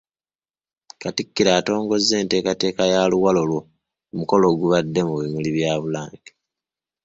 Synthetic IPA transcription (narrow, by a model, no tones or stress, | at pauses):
katikːiɾaːto̞ːŋɡo̞zːe̞ːnte̞ːkate̞ːkajaːluwalolwo | muko̞lo̞ːɡuβadːe̞muβimuliβjaːβulaːŋɟe